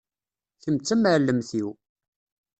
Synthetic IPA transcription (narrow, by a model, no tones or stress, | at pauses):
θəmt͡sːæməʕlːəmθiw